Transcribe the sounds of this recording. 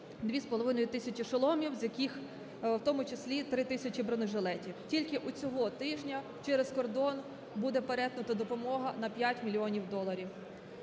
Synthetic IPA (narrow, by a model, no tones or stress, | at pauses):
d̪ʋʲispɔlˠɔʋɪnɔjʊt̪ɪsʲɐt͡ʃʲiʃɐlˠɔmʲiwzʲjɐkʲix | wt̪ɔmʊt͡ʃɪsʲlʲit̪ɾɪt̪ɪsʲɐt͡ʃʲibɾɔnɪʒelˠɛtʲiwtʲilʲkɪʔʊt͡sʲɔɦɔt̪ɪʒnʲɐ | t͡ʃɛɾeskɔrd̪ɔn | bud̪ɛpeɾɛt̪nʊt̪ɐd̪ɔpɔmɔɦɐnɐpʲjatʲmʲilʲːiɔnʲiwd̪ɔlˠɐɾʲiw